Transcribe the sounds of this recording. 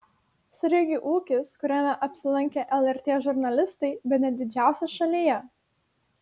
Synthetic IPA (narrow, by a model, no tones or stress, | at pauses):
sʲɾʲɪɡʲiʔuːkʲɪskʊɾʲæmʲɛʔɐpʲsʲɪlˠɐŋʲkʲeʔɛlˠɛɾʲt̪ʲeːʒʊɾʲnɐlʲɪst̪ɐɪbʲɛt̪nʲɛd̪ʲɪd͡ʒʲæˑʊsʲɛʃɐlʲiːjɛ